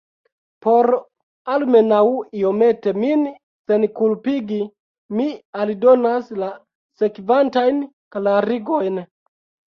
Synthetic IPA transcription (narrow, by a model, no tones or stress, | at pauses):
po̞ɾ | almenawio̞me̞te̞min | senkulpiɡi | mialidonasla | sekvantajn | klaɾiɡo̞jn